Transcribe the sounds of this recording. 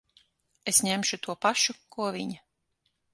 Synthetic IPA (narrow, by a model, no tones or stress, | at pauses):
esɲemʃut̪uɔpaʃukuɔvʲiɲa